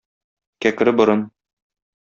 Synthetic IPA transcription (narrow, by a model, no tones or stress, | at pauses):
kækɘ̆ɾɘbŏɾɤn